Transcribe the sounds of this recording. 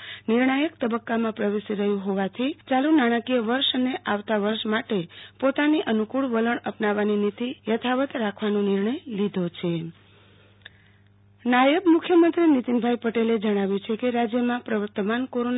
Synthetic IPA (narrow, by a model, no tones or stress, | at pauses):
niɾɳajək̚t̪əbəkːamãpɾəʋeʃiɾəɦjũɦoʋat̪ʰit͡ʃalunaɽ̃əkijəʋəɾʃəneʔaʋt̪aʋəɾʃmaʈepot̪aniʔənukuɭʋələɳəpnaʋaninit̪ijət̪ʰaʋət̪ɾakʰʋanõniɾɳəjlid̪ʱot͡ʃʰe | najəbmukʰjəmənt̪ɾinit̪inbʱajpəʈeled͡ʒəɽ̃aʋjũt͡ʃʰekeɾad͡ʒjəmãpɾəʋəɾt̪əmankoɾon